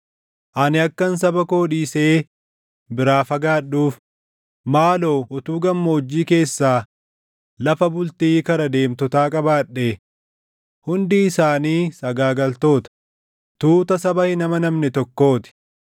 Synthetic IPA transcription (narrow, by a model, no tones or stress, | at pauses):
ʔɐnɪɐkːɐns̬ɐbɐkoːᶑiːseː | bɪɾaːfɐɡaːɗːuːf | maːlo̞ːʔʊt̪uːɡɐmːoːd͡ʒːiːke̞ːsːaː | lɐfɐbʊlt̪iːkɐnɐd̪e̞ːmt̪ɔt̪aːkʼɐbaːᶑeː | hʊnd̪iːɪsaːniːsɐɡaːɡɐlt̪o̞ːt̪ɐ̥ | t̪uːt̪ɐsɐbɐhɪnɐmɐnɐmnɛt̪ɔkːo̞ːt̪ɪ̥